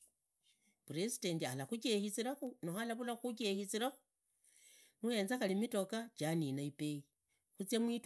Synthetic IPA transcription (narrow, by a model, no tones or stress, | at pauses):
puɾesi̥dentialaxuk̬ehit͡siɾaxunoxalaβulaxukexit͡siɾaxu̥ | nue̞ːnzaxalimito̞kat͡ʃaninaipei | xut͡sjamwit